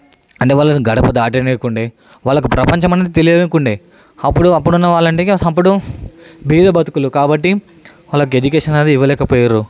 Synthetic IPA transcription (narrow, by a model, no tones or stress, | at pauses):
ɐɳʈeːʋaːɭlːɐnuɡɐɽɐpɐd̪aːʈ̬ineːkuɳɖeː | ʋaːɭːɐkupɾɐpɐɲt͡ʃɐmɐneːd̪it̪elijɐʋekuɳɖeː | ɐpːuɽuɐpːuɽunːɐʋaːɭːɐɳʈeːɐp̬ːuɽu | bʱiːd̪ɐbʱɐt̪u̥kulukaːbɐʈːi | ʋaːlːɐk̬ue̞d͡ʒukɛːʂɐnɐːd̪iiʋɐlɛːkɐpɔːjaːɾu